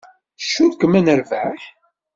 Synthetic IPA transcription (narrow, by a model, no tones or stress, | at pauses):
ʃːuðkːəmænəɾvæħ